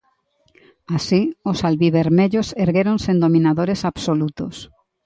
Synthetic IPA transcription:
asiosalβiβeɾmeʎoseɾɣeɾonsẽnd̪omĩnaðoɾesaβsolut̪os

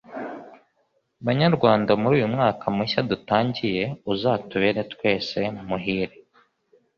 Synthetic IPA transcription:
βaɲaɾɡwaːndamuɾuːjumŋaːkʰamiʃadutaːɲɟije̞uzaːtuβeːɾe̞tkwe̞ːse̞mumuɦiːɾi

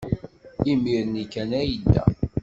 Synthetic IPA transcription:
imiɾənikːænæjəd̪ːæ̰

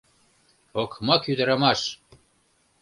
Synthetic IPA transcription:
okmɑkyd̪ə̆ɾɑmɑʃ

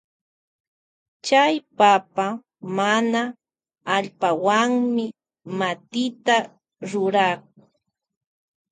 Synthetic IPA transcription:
t͡ʃajpapa | manaː | ʎpawaŋmɪ | mat̪ɪt̪a | ɾʊɾak

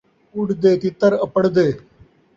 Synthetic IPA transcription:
ʊɖd̪eːt̪ɪt̪əɾəpəɽd̪eː

